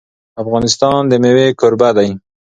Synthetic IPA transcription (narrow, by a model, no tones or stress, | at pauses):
afɣɑnɪst̪ɑnd̪əmewekʊɾbad̪aj